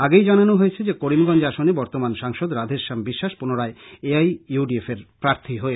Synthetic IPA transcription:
aɡejd͡ʑananoɦojet͡ɕʰed͡ʑekoɾimɡɔnd͡ʑaʃonebɔɾt̪omanʃaŋʃod̪ɾad̪ʱeɾʃambiʃːaʃpunoɾaeeajuɖiefeɾpɾaɾt̪ʰiɦoe

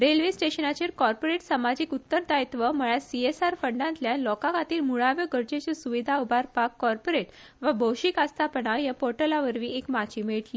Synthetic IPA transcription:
ɾelʋisʈeɕənat͡ɕeɾkɔɾpoɾeʈsəmad͡ʑiːkut̪ːəɾt̪ajt̪ʋəməɭjasiesaɾfəɳɖãnt̪ljanlɔkãkat̪iːlmuɭaʋjəɡʱəɾd͡ʑet͡ɕesuʋid̪ʱaubʱaɾpakːɔɾpoɾeʈ | ʋabʱowɕikast̪ʰapəɳajapoɾʈəlaʋəɾʋĩːʔekmat͡ɕimeɭʈli

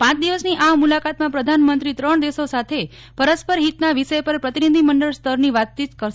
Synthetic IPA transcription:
pãt͡ʃd̪iʋəsniʔaʋmulakat̪mãpɾəd̪ʱanmənt̪ɾit̪ɾəɳ̃d̪eʃosat̪ʰe | pəɾəspəɾɦit̪naʋiʃəjpəɾpɾət̪inid̪ʱiməɳɖəɭst̪ʰəɾniʋat̪̚t͡ʃit̪kəɾʃ

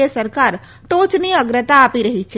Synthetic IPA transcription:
esəɾkaɾ | ʈot͡ʃniəɡɾət̪aːpiɾəɦit͡ʃʰɛ

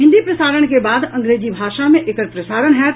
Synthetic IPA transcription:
ɦɪ̃nd̪ipɾɐsaːɾəɽ̃kebaːd̪ɐ̃ŋɡɾeːd͡ʒibʱaːʃamẽʔekəɾpɾɐsaːɾəɽ̃ɦɛ

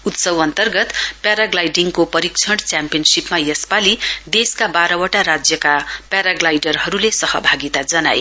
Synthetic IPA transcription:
ut̪sʌwʌnt̪ʌrɡʌt̪pjaɾaɡlajɖiŋkopʌɾikt͡sʰʌɽt͡sampijʌnsipmajʌspalid̪eskabaɾʌwʌʈaɾad͡zjʌkapaɾaɡlajɖʌrɦʌɾulesʌhʌbʱaɡit̪ad͡zʌna̰j

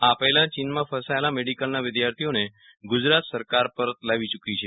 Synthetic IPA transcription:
apəɦlãt͡ʃinmãfəsaelameɖikəlnaʋɪd̪jaɾt̪ʰijone | ɡʊd͡ʒɾat̪səɾkaɾpəɾət̪laʋit͡ʃukit͡ʃʰe

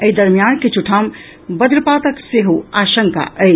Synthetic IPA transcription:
əid̪əɾmijanket͡ʃʰuʈʰam | bəd̪ɾəpat̪əkseɦuaʃəŋka̰ʔəj

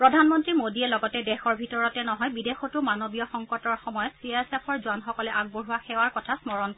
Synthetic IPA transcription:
pɹɔdʱanmɔntɹimodiɛlɔɡɔtɛdɛxɔɹbʱitɔɹɔtɛnɔɦɔjbidexɔtʊmanobijɔxɔŋkɔtɔɹxɔmɔjɔtsiasepʰɔɹzuanxɔkɔlɛʔaɡ̚boɹuwaxɛwaɹkɔtʰasmɔɹɔnk

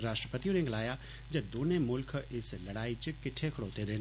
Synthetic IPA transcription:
ɾaːʃʈɾəpət̪ijõnẽɡlaːja | d͡ʒɐb̚d̪oːnemʊlkʰɪslɐɽaːit͡ʃɪp̚kɪʈʰːekʰɽoːt̪ed̪eː

